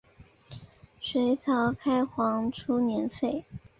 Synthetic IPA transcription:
ʂwe˧˥ɪt͡sʰɑ˧˥ʊkʰa˥ɪxwɑ˧˥ŋʈ͡ʂʰu˥njɛ˧˥nfe˥˩ɪ

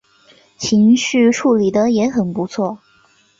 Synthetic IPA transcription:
t͡ɕʰi˧˥ŋɕy˥˧ʈ͡ʂʰu˥˩li˨˩d̪ə˦jɛ˧˥xə˨˩npu˧˥t͡sʰwɔ˥˩

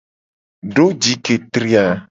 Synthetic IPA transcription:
ɖo˦d͡ʒi˨˦ke˨t̪ɾi˦a˨

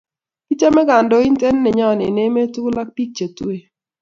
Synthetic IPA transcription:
ki˦t͡ʃa˦mɛ˦ɡa˨ndɔ˦i˦nte˦nː˦ɪ˨ɲɔ˦˨nɪ˨ne˦me˦tu˦la˦k̚pi˦k̚t͡ʃe˨tu˦e˨

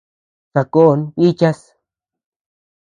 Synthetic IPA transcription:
sa˨ko˦˨˧ni˦t͡ʃa˦s

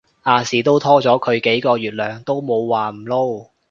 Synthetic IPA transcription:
ʔaː˨˧siː˨˩t̪o˥wt̪ʰɔː˥t͡sɔː˨˥kʰɵ˨˧ɥke˨˥jkɔː˧ɥyː˨˩t̚lœː˨˩ŋt̪o˥wmo˨˧wwaː˨m̩˨˩lo˥w

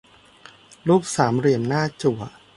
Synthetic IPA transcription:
luː˥˩k̚saː˩˦mɾi˨˩ənːaː˥˩t͡ɕu˨˩ə

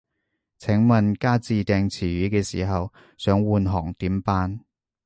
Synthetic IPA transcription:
t͡sʰɪ˨˥ŋmɐ˨nkaː˥t͡siː˨˧t̪ɛː˧ŋt͡sʰiː˨˩ɥyː˨˥kɛː˧sḭː˨˩ɦɐ˨w | sœː˨˥ŋwuː˨˧nɦɔ̰ː˨˩ŋt̪iː˨˥mpaː˧n

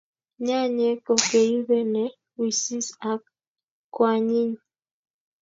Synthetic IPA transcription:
ɲa˦ɲe˦ko˨ke˨i˦be˦nɛ˨ | wi˨si˦sa˨˦k | kwa˨ɲi˦ɲ

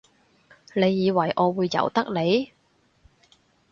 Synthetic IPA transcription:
le˨˧jːiː˨˧wɐ˨˩jʔɔː˨˧wuː˨˧jːɐ̰˨˩wt̪ɐ˥k̚le˨˧j

